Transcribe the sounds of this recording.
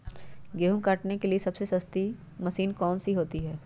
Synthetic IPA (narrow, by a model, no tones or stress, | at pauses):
ɡeːɦũkaːʈnekeliesɐbsesɐst̪i | mɐsiːnkɔːnsiɦoːt̪iɦɛː